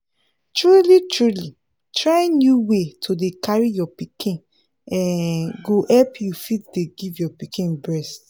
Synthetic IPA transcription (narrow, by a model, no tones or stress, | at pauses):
tɹulitʰɹuli | tʰɹaĩnnjuwetʰodekʰaɹijɔpikʰĩn | ɛ̃ɡohɛlpʰjufit̚deɡivjɔpikĩnbɹɛst